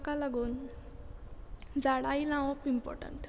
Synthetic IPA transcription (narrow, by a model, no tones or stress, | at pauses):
kalaɡuːn | d͡zaɽailãwɔpimpɔ̰ɾʈə̰ɳʈ